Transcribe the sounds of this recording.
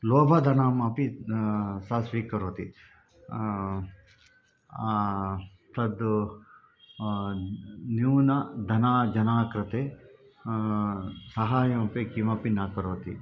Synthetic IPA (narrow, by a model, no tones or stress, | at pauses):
loːbʱɐd̪ʱɐnaːmɐpi | sɐsʋiːkɐɾoːt̪ḭ | t̪ɐd̪u | njuːnɐd̪ʱɐnaːd͡ʒɐnaːkɾɐt̪eː | sɐɦaːjɐmɐpekimɐpinaːkɐɾoːt̪ḭ